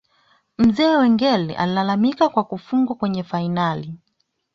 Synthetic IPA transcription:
m̩zɛːwɛŋɡɛlɛ̰ʔa̰lilalamikakwakufuŋɡwakwɛɲɛfainali

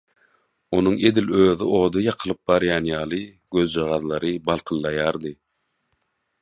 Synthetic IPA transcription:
o̞nuŋe̞d̪iløːðio̞ːd̪ɯjɑqʰɯlˠɯp̚bɑɾjɑːnjɑːlˠɯ | ɡ̥øðd͡ʒɑʁɑðlˠɑɾɯbɑlˠqʰɯlˠːɑjɑːɾd̪ɯ

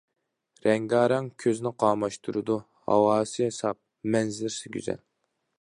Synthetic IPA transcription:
ɾɛŋɡɑːɾɑŋkʲʰøznɪqʰɑːmɑʃt̪ʰuɾɨd̪u | hɑ̰wɑːsɨesɑp̚ | mɛnzɪɾsɪɡʲy̰zɛ̰n

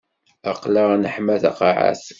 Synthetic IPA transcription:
ɑqlaʁnəħmæθɑ̰qɑʕa̰θ

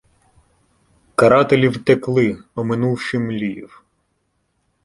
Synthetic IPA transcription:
kɐɾɑt̪elʲiwt̪eklˠɪɔmɪnuwʃɪmlʲijḭw

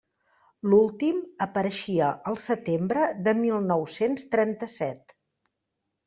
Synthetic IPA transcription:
lulˠt̪iməpəɾəʃiəʔəlˠsət̪embɾəðəmilˠnɔwsenst̪ɾɛnt̪əsɛt̪

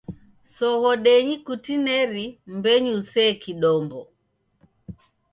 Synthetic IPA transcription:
sɔɣɔɗɛɲikutinɛɾimbɛɲiusɛːkiɗɔmbɔ

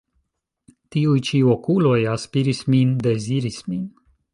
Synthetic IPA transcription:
t̪iujt͡ʃiokulojaspiɾismind̪eziɾismin

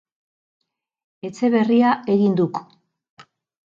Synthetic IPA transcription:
e̞t͡se̞βe̞riae̞ɣind̪uk

